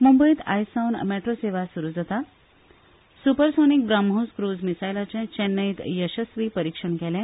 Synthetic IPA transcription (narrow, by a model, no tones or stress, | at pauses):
mumbəiːt̪a̰jsawnmɛʈɾoseʋasuɾuːd͡zət̪a | supəɾsonik̚ɡɾamɦoskɾod͡zmisajlat͡ɕɛ̃t͡ɕɛnːəit̪jəɕəsʋiːpəɾikʂəɳkɛlɛ̃